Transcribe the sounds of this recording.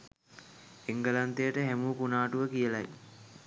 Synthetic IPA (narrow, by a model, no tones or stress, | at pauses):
eŋɡəlant̪ejəʈəɦæmuːkunaːʈuʋəkijəlaj